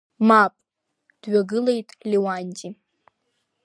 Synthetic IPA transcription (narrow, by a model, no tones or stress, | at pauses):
mapʼ | d̥ɥaɡɨlejtʼliwanʲtʼi